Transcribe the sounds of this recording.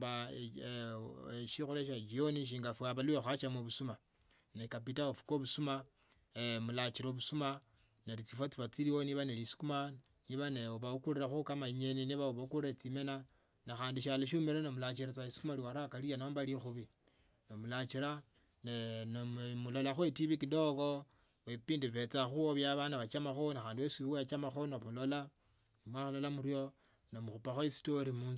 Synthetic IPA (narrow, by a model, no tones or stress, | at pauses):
ba | ʃixuɾeʃad͡ʒijoniʃ̬iːŋɡafuaβaluwexat͡ʃamoβusuma | nekap̬itaofu̥koβusuma | mulat͡ʃiɾoβusuma | neɾit͡sifot͡siβat͡siɾiwoniβanelisi̥kuma | niβaneoβaukuɾiɾaxukamaiɲeniniβaoβakuɾiɾat͡simena | naxaːndiʃaloʃ̬umeɾenomulat͡ʃiɾat͡saisi̥kumaliwaɾakalianombalixuβi | nomulat͡ʃiɾa | nenomulo̞laxwetiβikidoko | epiːndiβet͡saxuoβjaβanaβat͡ʃamaxonaxaːndiesiβiwejat͡ʃamaxonomulola | nimwaxulolamuɾjo̞ | nomuxupaxoisi̥toɾimuːn